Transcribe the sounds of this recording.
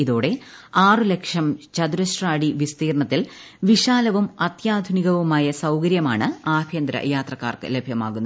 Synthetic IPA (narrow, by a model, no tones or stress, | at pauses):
iðo̞ːɽe̞aːrɨle̞kʂɐmt͡ɕɐd̪uɾɐsraːɽiʋist̪iːrɳɐt̪ːil | ʋiʂaːlɐʋumɐt̪jaːd̪ʱuniɣɐʋumaːjɐsɐwkɐɾjɐmaːɳɨaːbʱjɐnd̪ɾɐ̰jaːt̪rɐkːa̰ːrkɨ̰le̞bʱjɐma̰ːɣunːɐ